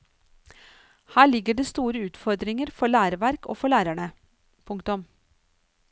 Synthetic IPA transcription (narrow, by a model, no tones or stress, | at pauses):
hæːɭɪɡəɖeːst̪uːɾəʉːt̪fɔɾd̪ɾɪŋəɾfɔɭæːɾəʋæɾko̰ːfɔɭæːɾæɳə | pʰʊŋkt̪ʊm